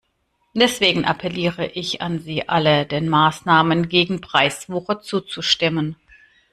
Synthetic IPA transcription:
d̥ɛsv̥eːɡŋ̩ʔa̰pʰɛliːʁəʔɪça̰nziːʔalədeːnmaːsnaːmənɡeːɡŋ̩pʁ̥aɪsv̥uːχɐt͡suːt͡suʃtɪmən

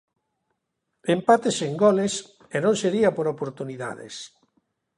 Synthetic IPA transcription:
empat̪eseŋɡɔles | enõnseɾiapoɾopoɾt̪uniða̰ðḛs

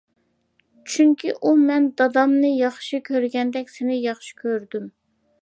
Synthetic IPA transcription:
t͡ʃʰyŋkʲiʔumɛnd̪ɑd̪ɑmnɨjɑχʃikʲʰøɾɡʲɛnd̪ɛkʲsɪnɪjɑχʃi̥kʲʰøɾd̪ym

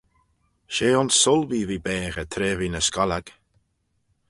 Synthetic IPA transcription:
ʃeːɔnsʊlviːviːbɛːɣət̪ʰɾeːviːnəskalaɡ̥

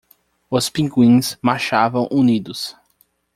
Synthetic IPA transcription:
ʊspĩŋɡwĩsmaʃavɐ̃w̃ʔunid̪ʊs

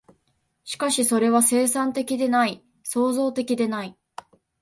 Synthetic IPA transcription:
ɕi̥kaɕiso̞ɾe̞βase̞ːsãnt̪e̞kʲid̪e̞nai | so̞ːzo̞ːt̪e̞kʲid̪e̞nai

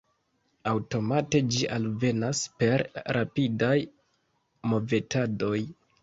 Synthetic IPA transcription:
awto̞mate̞d͡ʒiʔalve̞naspe̞ɾɾapidaj | mo̞ve̞tʰado̞j

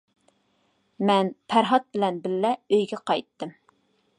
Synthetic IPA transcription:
mɛnpʰæɾɦɑt̪̚bɪlɛnbɪlːɛøjɡʲɛqʰɑjt̪ːɨm

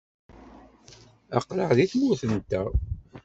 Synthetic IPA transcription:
ɑ̰qːləʕðiθmʊθənt̪æ

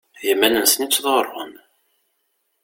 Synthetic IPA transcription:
jəmːænənsənit͡sːðˤʁəɾˤʁə̰n

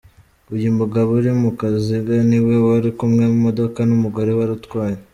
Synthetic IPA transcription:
ujimuɡaβuɾimukaziɡaniwe̞waɾikumŋe̞mumo̞do̞kanumuɡo̞ɾe̞waɾutwaːje

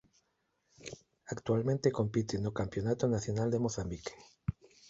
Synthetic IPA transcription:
akt̪ualmẽnt̪eko̞mpit̪enukampjo̞nat̪onaθjonald̪emoθambike̥

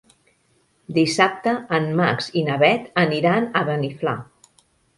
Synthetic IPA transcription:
d̪isap̚t̪əːmmakzinəβɛt̪əniɾanəβənifla̰

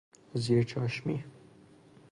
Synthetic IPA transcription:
ziːɾt͡ʃʰɒːʃmi

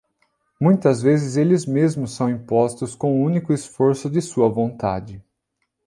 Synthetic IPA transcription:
mũj̃t̪ɐzvezɪzelɪzmezmʊssɐ̃w̃ĩpɔst̪ʊskõʊũnikʊɪsfoɾsʊd͡ʒɪsuɐvõnt̪a̰d͡ʒɪ

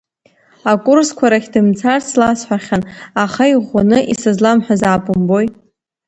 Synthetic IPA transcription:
akʼʊrskʷʰaɾakʲdɨmt͡sʰarslasħʷᶣaχʲanaχaiʁʷanɨʔisɨzlamħʷᶣazaːpʼʊmbo̞jt

